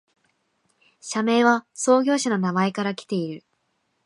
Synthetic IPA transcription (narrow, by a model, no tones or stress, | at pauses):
ɕame̞ːβaso̞ːɡʲo̞ːɕano̞namae̞kaɾakʲi̥t̪e̞iɾɯ̟